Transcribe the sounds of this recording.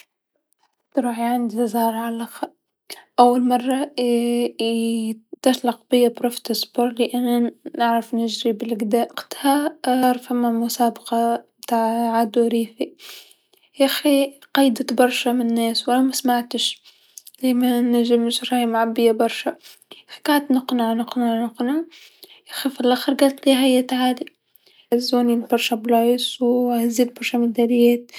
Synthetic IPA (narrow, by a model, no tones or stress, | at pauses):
t̪ɾuːħiʕɪnd̪iɪzˤɑːɾˤʕalax | ʔawːalmɑrˤːɑ | t̪atlɑqbɪjːabɾoft̪ɪsboɾlɪʔanːnɪʕɾˤɑfnɪʒɾibɪlɡd̪aːʔqt̪haɑɾˤfamːamʊsaːbɑqɑbt̪aʕʕaːd̪uɾiːfi | ʔaxiqɑjd̪at̪bɑɾˤʃamɪnnːeːswalamasmaʕt̪ɪʃ | zeːmanaʒɪmɪʃɾˤɑːjmaʕabːɪjːabɑɾˤʃaxi̥kaʕt̪nɪqnaʕnɪqnaʕnʊqna | jaxifilʔaxɪɾˤɡaːlt̪liːɦajːat̪ʕaːd̪i | zoːnilbɑɾˤʃablɑjsˤwhazːiːd̪bɑɾˤʃamɪd̪alɪjeːt̪̚